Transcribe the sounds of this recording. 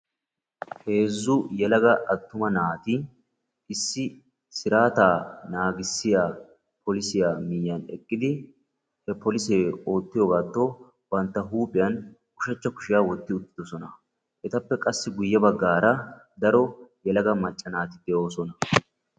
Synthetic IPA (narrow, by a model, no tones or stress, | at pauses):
he̞ːzːʊjɛlɐɡɐʔɐt̪ːʊmɐnaːt̪ɪ | ɪsːɪ | sɪɾaːt̪aːnaːɡɪsːɪjaː | pɔlɪsɪjaːmɪjːɐnɛ̰kʼːɪd̪ɪ | hɛpɔlɪseːo̞ːt̪ːɪjoːɡaːt̪ːo | bɐnt̪ːɐɦuːpʼɪjɐn | kʊ̥ʃɐt͡ʃːɐkʊ̥ʃɪjaːwɔt̪ːɪʊt̪ːɪ̥d̪̥ɔsɔnɐ | ʔɛt̪ɐpːɛkʼɐsːɪɡʊjːɛbɐɡːaːɾɐd̪ɐɾɔjɛlɐɡɐmɐt͡ʃʼːɐnaːt̪ɪd̪ɛo̞ːsɔnɐ